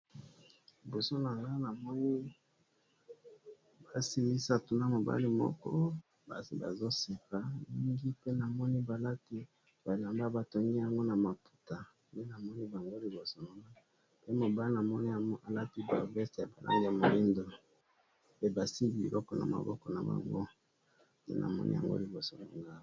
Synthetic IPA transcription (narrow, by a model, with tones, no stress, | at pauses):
i˨bo˨so˦na˨ŋɡa˦na˨mɔ˦ni˦ | ba˨si˦ni˦sa˨to˨na˦mo˨ba̰˦li˦mɔ̰˦kɔ̰˦ | ba̰˨si˨ba̰˨zo˦se˨ka˨ni˦ŋɡi˦pe˦na˨mɔ˦ni˦ba˨la˦ti˦ | b̥a˨la˨mba˦ba˨to˨ŋɡi˦ja˦ŋɡo˦na˨ma˨pu̥˨ta˨ | ne˦na˨mɔ˦ni˦ba˨ŋɡo˦li˨bo˨so˨na˨ŋɡa˦ | pe˦mo˨ba˦lna˨mɔ˦ni˦a˨ŋɡo˦ʔa˨la˦pi˦ba̰˨vɛ˦stja˨ba˨lʔa̰˦ŋɡi˦ja˨mo˨ji˦ndo˨ | pe˦ba˨si˦bi˨bḭ˨lʔɔ˦kɔ˨na̰˨ma̰˨bɔ˦kɔ˨na̰˨ba̰˨ŋɡo˦ | dḛ˦nʔa̰˨mɔ̰˦nʔḭ˦ja̰˨ŋɡo̰˦li˨bo˨so˨na̰˨ŋɡa˦